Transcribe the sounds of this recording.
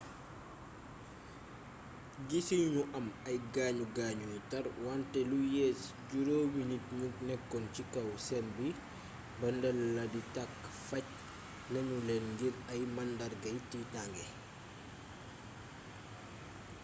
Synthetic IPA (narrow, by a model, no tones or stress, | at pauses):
ɡisiɲuʔamajɡaːɲuɡaːɲutaɾwantɛlujɛs | ɟuɾoːwinit̚ɲutnɛkːɔnt͡ʃikawsɛmbi | bɐndɛlːaditakːfac̚ | naɲulɛnŋɡiɾajmandaɾɡajtitaŋɡɛ